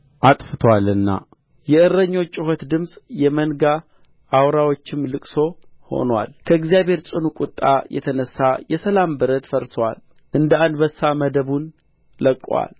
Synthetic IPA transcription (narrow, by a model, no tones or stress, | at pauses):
ʔat̪ʼfɨt̪ʰwalɨnːa̰ | jɛɨrːəɲːo̞t͡ʃʼːɪhot̪d̪ɨmsʼjɛmənɡa | ʔːwɾawo̞t͡ʃːɪmlɨkʼso̞ho̞̰nwa̰lkʰəɨɡzijaβhe̞ɾt͡ʃʼɨnukʼʊt̪ʼːa̰jɛ̰t̪ʰənəsːajɛsəlambɨɾət̪fəɾswa̰l | ʔɨnd̪əand̪bəsːaməd̪əβun | ləkʼːwa̰l